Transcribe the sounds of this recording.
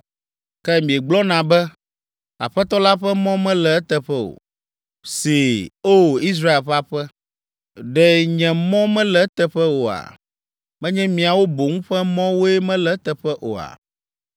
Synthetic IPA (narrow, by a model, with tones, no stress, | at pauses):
kɛ˦mĩ˨e˨ɡ͡blɔ˦nã˨bɛ˦ | a̰˨ɸɛ˦t̪ɔ˦la˦ɸɛ˦mɔ̃˦mɛ̃˦lɛ˨ɛ˦t̪ɛ˨ɸɛ˦o̰˨ | si˨o˦˨i˦s̬ɾa˦e˨lɸa˦ɸɛ˦ | ɖɛ˨ɲɛ̃˨mɔ̃˦mɛ̃˦lɛ˦t̪ɛ˨ɸɛ˦wo˨a̰˨ | mɛ̃˦ɲɛ̃˦mĩ˨a˨wo˦bo˨ŋũ˦ɸɛ˦mɔ̃˦wo˦ɛ˦mɛ̃˦lɛ˦t̪ɛ˨ɸɛ˦ʔo̰˨a̰˨